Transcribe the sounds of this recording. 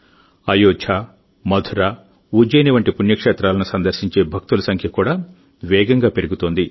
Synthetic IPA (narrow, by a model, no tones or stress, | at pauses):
ɐjoːt͡ʃʰaː | mɐd̪ʱuɾaː | ud͡ʒɐjniʋɐɳʈipunjɐkʂɛːt̪ɾaːlɐnusɐnd̪ɐɾsiɲt͡ʃe̞ːbʱɐk̚t̪ulɐsɐŋkʰjɐkuːɽaː | ʋɛːɡɐŋɡaːpe̞ɾuɡut̪oːnd̪i